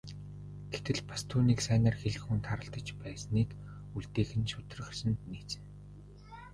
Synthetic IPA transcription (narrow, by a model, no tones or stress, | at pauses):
ɡ̥et̪ɘ̆ɮpḁst̪ʰuːniːksæːnăːrxeɮɘ̆xuːnt̪ʰaɾə̆ɮt̪ə̆t͡ɕpæːsniːk | uɮt̪eːxɘ̆nʃʊt̪̆rə̆χsɘ̆nt̪niːt͡sɘ̆ŋ